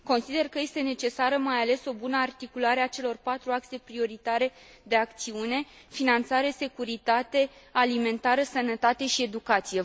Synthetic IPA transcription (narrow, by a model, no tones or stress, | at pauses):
ko̞nsid̪e̞rkəje̞st̪e̞ne̞t͡ʃe̞saɾəmajale̞so̞bunəart̪ikulaɾeat͡ʃe̞lo̞rpat̪ɾuak̚t̪se̞pɾio̞ɾit̪aɾe̞ | d̪e̞akt̪siune̞finant̪saɾe̞se̞kuɾit̪at̪e̞alime̞nt̪aɾəsənət̪at̪e̞ʃie̞d̪ukat̪sije̞